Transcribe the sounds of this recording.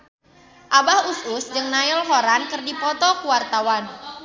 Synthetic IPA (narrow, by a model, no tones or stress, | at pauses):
ʔabahususd͡ʒɨŋnaɪlɦɔɾankərdipɔt̪ɔkuwart̪awan